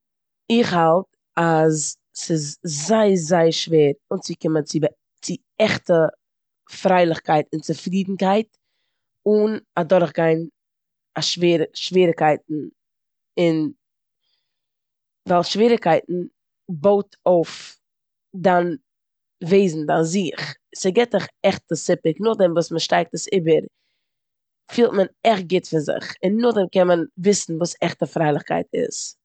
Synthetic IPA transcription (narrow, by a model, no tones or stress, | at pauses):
ɪχhalˠt | as | sɪzzaɪzaɪəɾʃveːɾʊnsɪkɪmət͡sɪb | t͡sɪ | ɛχtə | fɾaɪlˠɪχkaɪtɪnt͡sɪfɾiːdn̩kaɪt | ʊnadɔɾχɡaɪn | aʃveːɾʃviːɾɪkaɪtn̩ | ɪn | valˠʃviːɾɪkaɪtn̩ | boʊtʰoʊf | dan | veɪzn̩daziχsɪɡɛtɪχɛχtəsɪpɪknʊχdɛmvuːsməʃtaɪk̚təsɪbəɾ | fiːlˠtmənɛχt̚ɡɪtfɪɾzɪ̰χɪnːʊχdɛmkɛnmənvɪsn̩vuːsɛχtəfɾaɪlˠɪχka̰ɪtɪ̰s